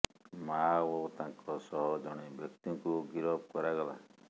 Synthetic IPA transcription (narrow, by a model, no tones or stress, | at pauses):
maot̪ãŋkɔsɔɦɔd͡ʒɔɽ̃ebjɔkt̪iɔ̃ŋkuɡiɾɔbkɔɾaɡɔla̰